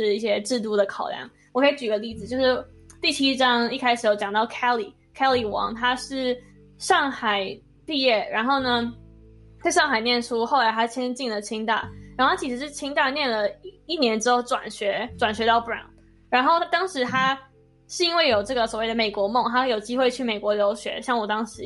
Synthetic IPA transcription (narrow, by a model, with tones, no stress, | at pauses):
ʂɻ̩˥˧i˥˩ɕjɛ˥ʈ͡ʂɻ̩˥˧t̪u˥˩d̪ə˩kʰɑ˨˩ʊljɑ̰˥˩ŋ | wɔ˨˩kʰɤ˧˥˧t͡ɕy˨˩ɡə˧li˥˩d͡zɹ̩˩t͡ɕjo˥˧ʂɻ̩˥˩ | t̪i˥˩t͡ɕʰi˥ʈ͡ʂɑ˥ŋi˥˩kʰa˥ɪʂɻ̩˨˩jo˧˩ʊt͡ɕɑ˨˩ŋt̪ɑ˥˩ʊkʰɛ˥li˨˩ | kʰɛ˥li˨˩wɑ̰˧˥ŋt̪ʰa˥ʂɻ̩˥˩ | ʂɑ˥˩ŋxa˨˩ɪ | pi˥˧jɛ˥˩ɻa˧˥nxo˥˩ʊnə˩ | k̪a˥˧ɪʂɑ˥˩ŋxa˨˩ɪnjɛ˥˩nʈ͡ʂʰu˥xo˥˩ʊla˧˥ɪa˥t͡ɕʰjɛ˥t͡ɕi˥˩ŋlə˩t͡ɕʰi˥ŋt̪a̰˥˩ɻa˨˧˥nxo˥˩a˥t͡ɕʰi˧˥ʂɻ̩˧˥ʂɻ̩˥˩t͡ɕʰi˥ŋt̪a˥˧njɛ˥˩nlə˩i˥˩njɛ˧˥nʈ͡ʂɻ̩˥xo˥˩ʊʈ͡ʂwa̰˨˩nɕɥɛ˧˥ʈ͡ʂwa˨˩nɕɥɛ˧˥t̪ɑ˥˩ʊpɹa̰˥˩n | ɻa˧˥nxo˥˩ʊ˥t̪ɑ˥ŋʂɻ̩˧˥t̪ʰa˥ | ʂɻ̩˥˩i˥nwe˥˩ɪjo˨˩ʊʈ͡ʂɤ˥˩ɡə˩swɔ˨˩we˥˩ɪə˩me˨˩ɪkwɔ˧˥m˥˩ŋt̪ʰa˥jo˨˩ʊt͡ɕi˥xwe˥˧ɪt͡ɕʰy˥˩me˨˩ɪkwɔ˧˥ljo˧˥ʊɕɥɛ̰˧˥ɕjɑ˥˩ŋwɔ˨˩t̪ɑ˥ŋʂɻ̩˧˥